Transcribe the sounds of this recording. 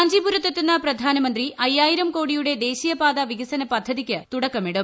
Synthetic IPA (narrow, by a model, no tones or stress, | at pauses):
ɐɲd͡ʑipuɾɐt̪ːɐt̪ːunːɐprɐd̪ʱaːnɐmɐnd̪riʔɐjːaːjiɾɐmko̞ːɽijuɽe̞d̪e̞ːɕijɐbaːd̪ɐʋiɡɐsɐnɐpɐd̪ʱːɐðikʲːɨt̪uɽɐkːɐmiɽu